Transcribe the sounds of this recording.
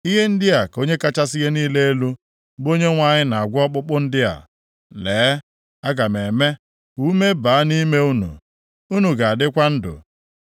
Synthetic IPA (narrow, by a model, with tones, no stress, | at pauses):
i˦ɦe˦n̩˦dɪ˦a˨ko˦ɲe˦ka˦t͡ʃa˦si˦ɣe˦niː˦le˦e˦lu˦ | bo˦ɲe˦ŋʷa˨ɲɪ˦na˨a˨ɡʷɔ˦k͡pʊ˦k͡pʊ˦n̩˦dɪ˦a̰˨ | leː˨˦ | a˦ɡa˨me˨me˦ | u˦me˦baː˨a˦ni˦me˦u˦nṵ˨ | u˦nu˨ɡa˨a˨dɪ˦kʷa˦n̩˦dʊ̰˨